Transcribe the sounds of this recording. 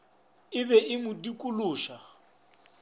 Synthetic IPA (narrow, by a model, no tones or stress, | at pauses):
ɪβɛʔɪmʊdikʼulʊːʃa